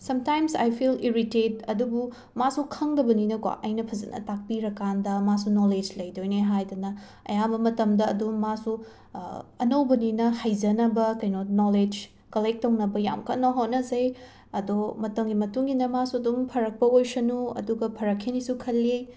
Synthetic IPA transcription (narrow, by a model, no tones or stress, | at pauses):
sɐmtajmsa̰jpʰiliɾitet̚ɐdubu | masukʰɐŋdɐbɐninɐkwa̰ʔɐjnɐpʰɐzɐ̰nɐ̰tak̚piɾɐkandɐmasunoled͡ʒlɐjdojneɦajdɐnɐ | ɐ̰jabɐmɐtɐmdɐɐ̰dumːasu | ɐnɐwbɐninɐhajzɐnɐbɐkɐjnonoled͡ʒ | kɐlek̚tːownɐbɐja̰mkʰɐnɐɦotnɐzɐj | ɐdomɐtɐŋɡimɐtuŋɡinɐmasuɐdumpʰɐɾɐk̚pɐojsɐnuɐ̰duɡɐpʰɐɾɐkʰːinisukʰɐlːi